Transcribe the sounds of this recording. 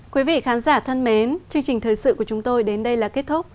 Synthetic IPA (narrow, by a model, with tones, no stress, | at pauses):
kwi˨˦vḭ˧˨xaː˨˦nzaː˧˩t̪ʰə˧nme˨˦nt͡ɕɨ˧əŋt͡ɕï˨˩ŋ̟t̪ʰəː˨˩jsɨ̰˧˨ku˧˩ət͡ɕʊ˨˦ŋ͡mt̪o˧jɗe˨˦nɗə˧jlaː˨˩ke˦˥t̚t̪ʰʊ˦˥k͡p̚